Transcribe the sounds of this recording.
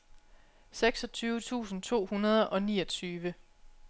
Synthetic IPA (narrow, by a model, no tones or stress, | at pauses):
seɡ̥sɒ̽t͡sʰyːʊət͡sʰṵːsn̩t͡sʰo̝̰ːhunɐð̞ˠʔɒ̽niːʌt͡sʰyːʋə